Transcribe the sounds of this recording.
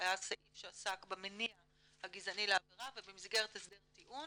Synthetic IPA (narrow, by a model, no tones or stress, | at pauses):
jasaʔifʃeasakbemenia | haɡizanileaviʁavebemizɡeʁetesbeʁtiʔun